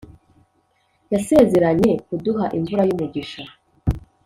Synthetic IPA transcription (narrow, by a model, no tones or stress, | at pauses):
jase̞ze̞ɾaɲe̞kuduɦaʔiɱvuɾajumuɟiʃa